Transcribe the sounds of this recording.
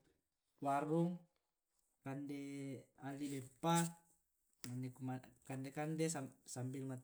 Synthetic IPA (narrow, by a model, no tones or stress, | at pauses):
waɾuŋ | kandɛalilɛpak | andɛkumakandɛkandɛsasambilma